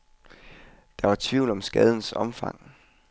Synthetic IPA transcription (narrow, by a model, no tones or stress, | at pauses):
d̥ɑ̈ʋɑ̈t͡sʰʋiʊlɒ̽msɡ̥ɛð̞ˠən̩sɒ̽mfɑ̈ŋ̰